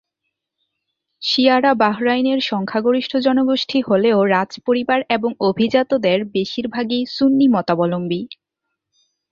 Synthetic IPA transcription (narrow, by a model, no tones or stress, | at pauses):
ʃiaɾabaɦɾajneɾʃɔŋkʰaɡoɾiʃʈʰod͡ʑɔnoɡoʃʈʰiɦoleoɾad͡ʑpoɾibaɾeboŋobʱid͡ʑat̪od̪eɾbeʃiɾbʱaɡisunːimɔt̪abɔlombi